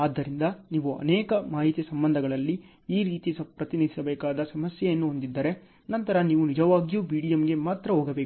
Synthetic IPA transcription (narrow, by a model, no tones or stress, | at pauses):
aːd̪ːɐɾind̪ɐniːʋuɐ̰nɛːkɐmaːɦit̪jɐsɐmbɐnd̪ʱɐɡɐɭɐlːi | iːɾiːt̪ispɾɐt̪inid̪ʱi̥sɐbɛːkaːd̪ɐsɐmɐsjɛjɐnːuɦond̪id̪ːɐɾe̞ | nɐnt̪ɐɾɐniːʋunid͡ʒɐʋaːɡijuːbiːɽijɐmɡe̞maːt̪ɾɐɦoːɡɐbeːk